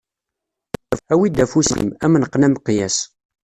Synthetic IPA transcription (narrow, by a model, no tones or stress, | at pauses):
æwid̪æfusḭmæmnəqːnæmqːjæs